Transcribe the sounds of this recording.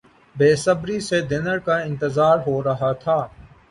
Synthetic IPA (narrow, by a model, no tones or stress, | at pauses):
beːsəbɾised̪ɪnəɾkaɪ̃nt̪ɪzaːɾɦoːɾɐɦaːt̪ʰaː